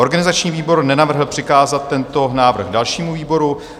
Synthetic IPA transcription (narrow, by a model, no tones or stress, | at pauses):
o̞ɾɡanɪzat͡ʃɲiːviːbo̞ɾnɛnavr̩ɦl̩pr̥ɪkaːzat̪ːɛnt̪o̞naːvr̩xɡdalʃiːmuviːbo̞ɾu